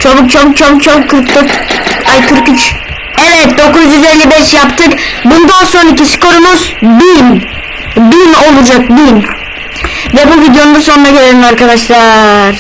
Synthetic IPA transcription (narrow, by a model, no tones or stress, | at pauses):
t͡ʃʰobuk̚t͡ʃʰobuk̚t͡ʃʰobukt͡ʃʰobukkʰːɯɾkd̪oɾajkʰɯɾkyt͡ʃ | ɛvɛt̪̚d̪o̞kuzyzelʲːibɛʃjapt̪ʰɯkbund̪anso̞nacisi̥ko̞ɾumuzbin | bino̞lˠud͡ʒak̚bin | vɛbuvid̪jo̞nːbusonunaɟeɾeɾʲimaɾkad̪aʃlˠaɾ̥